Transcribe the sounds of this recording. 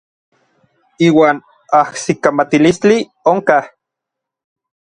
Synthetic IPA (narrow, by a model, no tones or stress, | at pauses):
iːwaːn | ahsikamat̪ilist͡ɬi | oŋkah